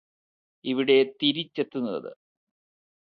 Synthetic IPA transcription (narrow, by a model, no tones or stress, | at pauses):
iʋiɽe̞t̪iɾit͡ɕːet̪ːunːɐɐ̰ðɨ̰